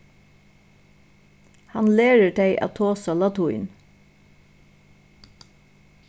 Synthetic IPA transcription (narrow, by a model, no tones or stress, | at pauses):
hɑnleːɹəɖeɪʔɑ̰ːt̪ʰoːsɑlɑt̪ʰʊɪn